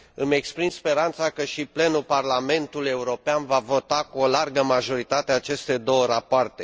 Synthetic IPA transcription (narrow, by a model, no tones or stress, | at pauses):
ɨme̞kspɾimspe̞ɾant̪sakəʃiple̞nuparlame̞nt̪ule̞uɾo̞peanvavo̞t̪akuolarɡəmaʒo̞ɾit̪at̪eaːt͡ʃe̞st̪e̞d̪o̞wəɾapoart̪e̞